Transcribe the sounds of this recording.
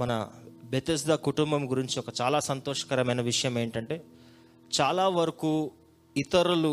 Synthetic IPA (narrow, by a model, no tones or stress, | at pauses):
mɐnɐ̰bet̪ɐs̬d̪aːkuʈumbɐmɡuɾiɲt͡ʃiɔkɐt͡ʃaːlaːsɐnt̪ɔːʂɐ̥kɐɾɐmɐjnɐʋiʂɐjɐme̞ːɳʈɐɳʈe̞ː | t͡ʃaːlaːʋɐɾɐkuː | it̪ɐɾulu